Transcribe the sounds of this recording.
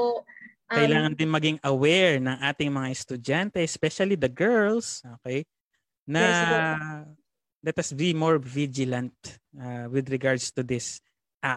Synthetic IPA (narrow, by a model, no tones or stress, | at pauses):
kɐjlaːŋɐnd̪ɪnmɐɡɪŋʔɐwɛɹnɐŋʔaːt̪ɪŋmɐŋaɛst̪ʊd͡ʒant̪ɛɛspɛʃɐlid̪ɐɡɛɹlsʔokɛj | nɐ | lɛt̪hɐsbimoɹvid͡ʒɪlɐ̃nt̪̚awɪd̪ɹɪɡaɹd̪st̪ʊd̪ɪs | ʔa